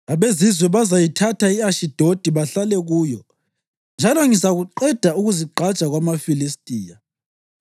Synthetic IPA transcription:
aβezizwɛβazajitʰatʰaiaʃid̥ʱod̥ʱiβaɬalɛɣuːjɔ | nd͡ʒʱalɔŋizaɣuǃɛd̥ʱauɣuziǃʱat͡ʃʼaɣwamafilistʼiːja

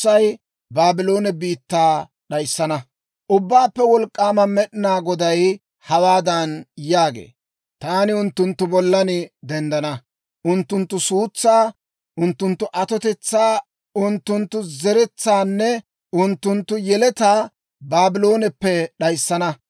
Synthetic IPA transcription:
ɐj | baːbɪloːnɛbiːt̪ːaː | ɗɐjsːɐnɐ | ʔʊbːaːpːɛwɔlkʼːaːmɐmɛɗɪnaːɡɔd̪ɐj | hɐwaːd̪ɐnjaːɡḛː | t̪aːnɪʊnt̪ːʊnt̪ːʊbɔlːɐnɪd̪ɛnd̪ɐnɐ | ʔʊnt̪ːʊnt̪ːʊsuːt͡sːaː | ʔʊnt̪ːʊnt̪ːʊʔɐt̪ɔt̪ɛt͡sːaː | ʊnt̪ːʊnt̪ːʊzɛɾɛt͡sːaːnːɛ | ʊnt̪ːʊnt̪ːʊjɛlɛt̪aː | baːbɪlo̞ːnɛpːɛɗɐjsːɐnɐ

